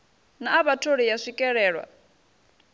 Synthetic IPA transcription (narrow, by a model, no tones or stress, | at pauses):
naːβatʰoɺijaʂikʼɛɺɛːɺwa̰